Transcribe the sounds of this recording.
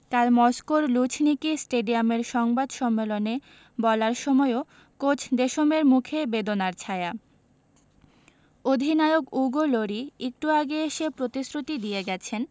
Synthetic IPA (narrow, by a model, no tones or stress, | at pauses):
k̪almɔskoɾlut͡ɕʰnikisʈeɖiameɾʃɔŋbad̪ʃɔmːelone | bɔlaɾʃɔmɔeo | kot͡ɕʰd̪eʃomeɾmukʰebed̪onaɾt͡ɕʰaea | od̪ʱinaeokuɡoloɾiek̚ʈuaɡeeʃepɾot̪isɾut̪id̪ijeɡɛt͡ɕʰen